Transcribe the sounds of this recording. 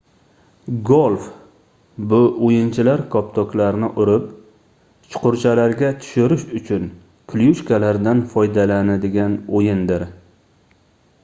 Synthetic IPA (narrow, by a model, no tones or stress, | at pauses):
ɡolˠf | bʊojɪnt͡ʃʰɪlaɾkʰɒpt̪ʰɒkʲlaɾnɪʔʊɾɪp̚ | t͡ʃʰʊ̥qʊɾt͡ʃʰalaɾɡʲat̪ʰʊ̥ʃʊɾɪʃʊt͡ʃʰʊn | kʲʰljuʃkalaɾd̪anfɒjd̪alanad̪ɪɡʲanojɪnd̪ɪɾ